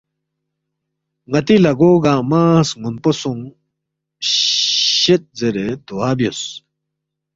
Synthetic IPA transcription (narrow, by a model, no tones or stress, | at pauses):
ŋɐt̪ilɐɡoːɡamasŋunposuŋ | ɕet̪̚zeɾed̪uaːbjos